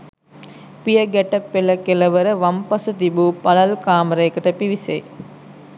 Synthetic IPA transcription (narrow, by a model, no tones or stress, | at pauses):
pijəɡæʈəpːeləkeləʋəɾəʋampasət̪ibupalalkaːməɾəjekəʈəpiʋisḛ